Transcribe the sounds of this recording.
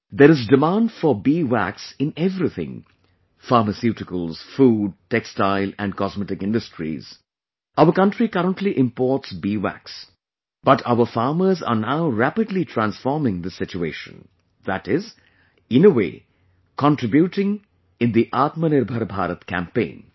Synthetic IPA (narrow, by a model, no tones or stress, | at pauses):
d̪eɾɪzdɪmãːnɖfɔbiːʋæ̰ksɪ̃nɛvɾit̪ʰɪ̰̃ŋ | faːɾməsjuʈɪkəlˠz̥fuːɖ̚ʈɛkstaɪlæ̰̃ɳɖkɔzmɛʈɪkɪ̃nɖəsʈɾḭz̥ | ʔaʊəɾkʌ̃ɳʈɾikʌɾə̃nʈʰliʔɪ̃mpɔːʈsbiːʋæ̰ks | b̥ʌʈʰaʊəfaːməɾza̰ːnaʊɾæpɪdliʈʰɾæ̃nsfɔːɾmɪ̃ŋd̪ɪsɪt͡ʃuḛːʃə̰̃n | ðæʈɪz | ɪ̃nəwḛː | kɔ̃nʈɾɪbjuʈɪ̃ŋ | ɪ̃nd̪iʔat̪mənɪɾbʱəɾbʱa̰ːɾət̪kæ̰̃mpḛ̃ɪ̃n